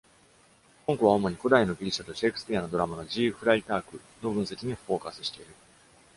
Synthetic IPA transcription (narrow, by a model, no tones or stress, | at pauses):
koŋko̞βao̞mo̞ɲ̟iko̞d̪aino̞ɡʲiɾʲiɕat̪o̞ɕekɯ̟sɨ̥pʲiano̞d̪o̞ɾamano̞d͡ʑiːɸɯ̟ɾait̪aːkɯ̟ | no̞bɯ̃ɰ̃se̞kʲiɲ̟ifo̞ːkasɨ̥ɕi̥t̪e̞iɾɯ̟